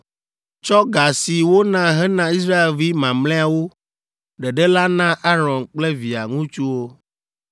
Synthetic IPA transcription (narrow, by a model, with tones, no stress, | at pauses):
t͡ʃɔ˦ɡa˨si˨wo˦nã˦ɦɛ˦nã˦i˦s̬ɾa˦e˨lvi˦mã˨mlɛ̃˦a˨wo˦ | ɖɛ˨ɖɛ˦la˦nã˦ʔa˦ɾɔ̃˨nk͡plɛ˦vi˨a˨ŋũ˦t͡ʃu˦wo˦